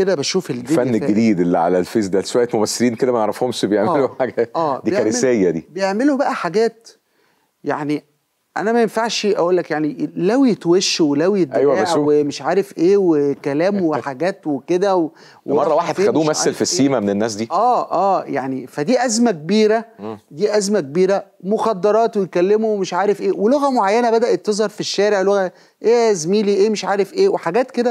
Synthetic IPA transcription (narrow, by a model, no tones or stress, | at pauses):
ked̪æbæʃuːfelifænːɡːed̪iːd̪elːiʕa̰lælfezd̪ælʃowæjːet̪momæsːeɾiːnked̪æmæneʕɾˤɑfhomʃbejeʕmeloħaːɡʔæːd̪iːæɾemsæjːæd̪ḭːbejeʕmelobæʔæħaɡæːt̪ | jaʕni | ʔæ̰næmæjenfaʕʃʔæʔoːlːækjaʕnilæwjet̪weʃːwelæwjet̪ʔæjwæææʕuwemeʃʕaːɾefʔeːwekælæːmweħaɡæːt̪weked̪æwe | wemɑrˤːɑwaːħed̪xæd̪uːmæselfisːiːmæmenenːæːs̬d̪iːʔæːʔæːjaʕnifæd̪iːʔæzmækebiːɾæd̪iːʔæzmæk̚ebiːɾæ | moxɑd̪ːɑɾˤɑːt̪wejkælːemowemeʃʕaːɾefʔeːweloɣæmoʕajːænæbæd̪æʔet̪ːezˤhɑɾˤfiʃːæːɾeʕloɣæ | ʔeːʔzmiːliʔeːmeʃʕaːɾefʔeːweħaɡæːt̪ked̪æ